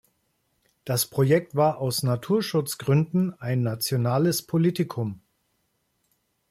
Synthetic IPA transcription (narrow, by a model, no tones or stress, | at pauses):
d̥aspʁ̥ojɛk̚tv̥aːɐʔaʊsnatʰuːɐʃʊt͡sɡ̥ʁʏndn̩aɪnːat͡sjonaːləspʰoliːtɪkʰʊm